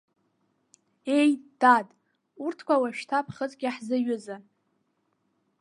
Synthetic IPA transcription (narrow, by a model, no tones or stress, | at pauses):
e̞jd̥adʼ | urtʰkʷawaʃtʰapʰχət͡sʼɡʲaħzɨɥʊza